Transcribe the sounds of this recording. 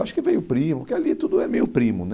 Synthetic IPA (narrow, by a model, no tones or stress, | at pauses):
waʃʊ̥kɪvẽjʊpɾĩmʊʊkealit̪ud̪ʊɛmejʊpɾĩmʊn